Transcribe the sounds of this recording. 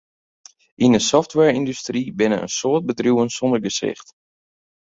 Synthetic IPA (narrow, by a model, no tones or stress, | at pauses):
ʔindəsɔftwɛːɹindystribɪnə̰ə̰nsoːt̚bədrjuwənsɔndərɡəsɪ̰xt